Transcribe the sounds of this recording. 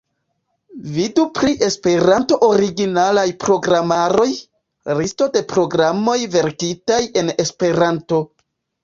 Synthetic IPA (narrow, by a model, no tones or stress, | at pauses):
vidupɾiʔe̞spe̞ɾanto̞ʔoɾiɡinalajpɾo̞ɡɾamaɾo̞j | ɾisto̞de̞pɾo̞ɡɾamo̞jve̞ɾkitaje̞ne̞spe̞ɾanto̞